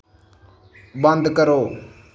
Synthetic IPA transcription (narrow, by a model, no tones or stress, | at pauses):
bənd̪kəɾoː